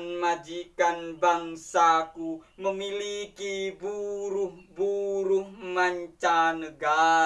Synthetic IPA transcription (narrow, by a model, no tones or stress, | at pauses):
nmad͡ʒikanbaŋsakuməmilikibuɾuhbuɾuhmaɲt͡ʃanəɡa